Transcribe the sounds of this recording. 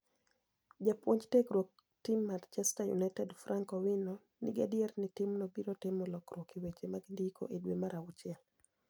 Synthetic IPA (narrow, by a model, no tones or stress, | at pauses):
d͡ʒapwoɲd͡ʒteɡɾwok̚ | timːant͡ʃɛstajṵnajtɛdfɾaŋkɔwinɔ | nɪ̰ɡadɪɛrnɪtɪmnɔbiɾɔtɪmɔlɔkɾokiwet͡ʃemaɡndikʰo̰ʔedwḛmaɾawut͡ʃɛl